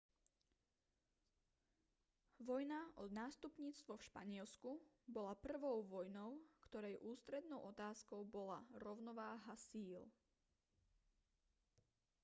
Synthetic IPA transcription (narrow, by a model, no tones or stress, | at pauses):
ʋɔjnaʔɔd̪naːst̪upɲiːt͡st̪ʋɔfʃpa̰ɲɪɛlsku | bɔlapr̩ʋɔʊʋɔjnɔʊkt̪ɔɾɛjʔuːst̪ɾɛd̪nɔʊʔɔt̪aːskɔʊbɔlaɾɔʊnɔʋaːɦasiːl